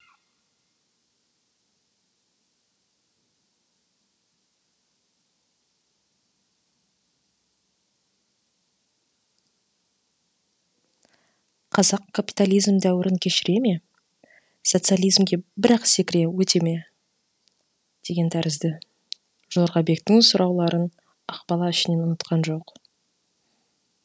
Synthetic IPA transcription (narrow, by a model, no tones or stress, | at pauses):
qʰɑzɑqkʰːapʲi̥t̪alˠijzmd̪æwɪɾɪŋkʲʰe̞ʃɪɾe̞me̞ | so̞t̪sɨalˠijzmɡʲe̞bɪɾɑqsekʲɪɾewɵt̪e̞me̞ | d̪̥e̞ɡʲe̞nt̪ʰæɾɪzd̪ɪ | ʒ̥o̞ɾʁɑbe̞k̚t̪ɪŋsʊɾʔɑwlˠɑɾʔən | ɑqbɑlˠɑɪʃɪne̞nʊnət̪qɑnʒo̞q